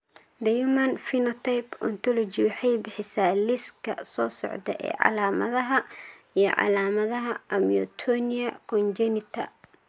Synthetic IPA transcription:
d̪ɐjumɐnfinɔt̪ʰɐjpɔ̰nt̪ʰɔlɔd͡ʒiwɑħɑjbɪħɪsaːlɪskʰɐsɔːsɔ̰ʕd̪ɐʔɛ̰ːʕɑ̰laːmɐ̰ðɐɦɐ | ijɔʕɑ̰laːmɐðɐɦɐʔɐmijɔ̰t̪ʰɔniɐkʰɔnd͡ʒɛnɪt̪ʰɐ̰

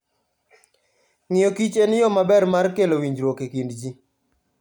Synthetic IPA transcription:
ŋɪjɔkit͡ʃenɪjɔmabɛrmarkelowiɲd͡ʒɾwokekindd͡ʒi

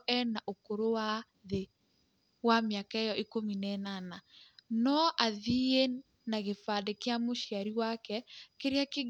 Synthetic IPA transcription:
ʔɛnaʔokoɾowa | ðe | wameakaejɔʔikominɛnananɔʔaðie | naɣefadekeamoʃiaɾiwakɛkeɾeake

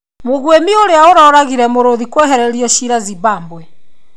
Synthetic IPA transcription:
moɣwemioɾeaoɾɔɾaɣiɾɛmoɾoðikwɛɦɛɾɛɾiɔʃiɾaziβaːmbwɛ

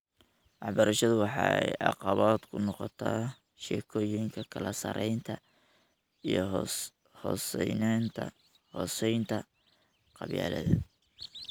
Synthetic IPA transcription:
ʔɑħbɐɾɐʃɐðʊwɑħɑ̰ːɛ̰jɑ̰qɑβaːd̪kʰʊnɔqɔt̪ʰaː | ʃɛːkʰɔːjɪŋkʰɐkʰɐlɐsɐ̰ɾʔɛjnt̪ʰɐ | ijɔ | hɔːsɛjnaːnt̪ʰɐ̰ | hɔːsɛjnt̪ʰɐ | qɑβja̰ːlɐ̰ðɐ

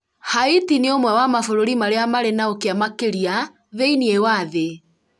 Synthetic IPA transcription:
haitineomwɛwamafoɾoɾimaɾeamaɾenaokeamakeɾia | ðeiniewaðe

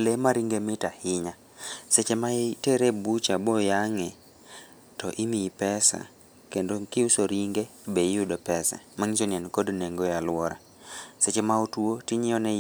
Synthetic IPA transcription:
lemaɾiŋɡemɪtahɪɲa | set͡ʃemateɾebut͡ʃabɔjaŋɛ | tɔʔimipɛsa̰ | kendokɪʊsoɾiŋɡebejʊdopɛsa̰maŋisonjɛnkodneŋɡɔjalʊwɔɾa | set͡ʃemaotuotiɲɪɔnɛ

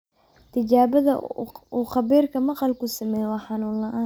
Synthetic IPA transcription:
t̪ʰɪt͡ʃaːβɐðɐ̰uːqɑβiːrkʰɐmɑqɑlkʰʊsɐmɛːjwɑːħɑnuːnlɐʔaː

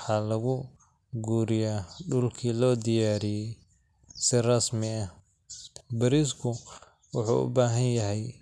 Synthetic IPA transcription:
ħɑːlɐɣʊ | ɡuːɾɪjaːɖʊlkʰiːlɔːd̪ɪjaːɾɪjɛj | sɪrɑsmɪɐ | bɐɾiskʰʊ | wʊħṵːʊ̰baːɦɐnjɐɦɛj

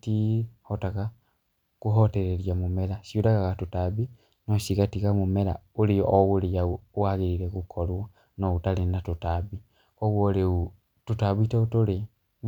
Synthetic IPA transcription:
tihotaɣa | kuɦoteɾeɾjamumeɾasiuɾaɣaɣatutaβi | nosiɣatiɣamumeɾa̰uleoʔwulejauaɣiɾiɾeɣukʰolwa | noutalenatutaβi | oɣwoleu | tutaβiteutole

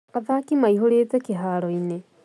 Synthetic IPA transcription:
aðakimaiɦoɾet͡sɛkiɦaɾɔine

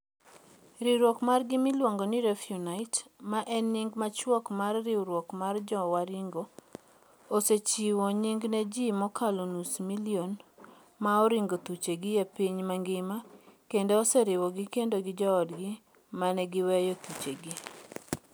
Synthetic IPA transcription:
ɾiɾwɔkmarɡɪmɪlwɔŋɡonɪɾɛfjunaɪtmaʔɛnːiŋɡmat͡ʃwɔkmarːɪwɾwɔkmard͡ʒɔwaɾiŋɡo | oset͡ʃiwɔɲiŋɡnɛd͡ʒimɔkalonusmilion | maɔɾiŋɡot̪ut͡ʃeɡɪjepiɲmaŋɡɪmakendoɔsɛɾɪwɔɡɪkendoɡɪd͡ʒɔːdɡɪ | manɛɡɪwɛjɔt̪ut͡ʃeɡi

